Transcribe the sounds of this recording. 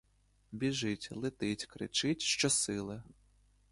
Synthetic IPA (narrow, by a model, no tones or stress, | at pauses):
bʲiʒɪtʲlˠɪt̪ɪtʲkɾɪ̰t͡ʃɪtʲʃt͡ʃɔsɪlˠɪ